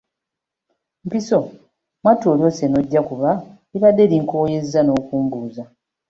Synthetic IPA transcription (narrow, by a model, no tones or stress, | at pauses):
mpiso̞ | mwatoːljo̞seno̞ɟːakuβa | iβadːe̞liŋkoːjezːano̞ːkuːmbuːza